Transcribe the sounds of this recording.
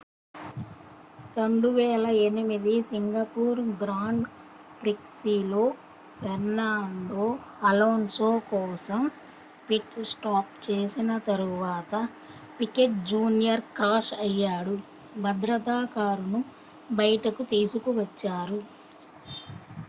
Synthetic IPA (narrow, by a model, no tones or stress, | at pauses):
ɾo̞ɳɖuʋɛːlɐe̞nimid̪isiŋɡɐpuːɾɡɾaːɳɖ | pɾiksilo̞ː | ʋeɾnːaːɳɖoːɐloːnsoːkɔːsɐm | piʈsʈaːp̚t͡ʃeːsinɐt̪ɐɾuʋaːt̪ɐ | pikeʈ̚d͡ʒuːnijɐɾkaːʂɐjːaːɽu | bɐd̪ɾɐt̪aːkaːɾunu | bɐjʈɐkut̪iːsukuʋɐt͡ʃːaːɾu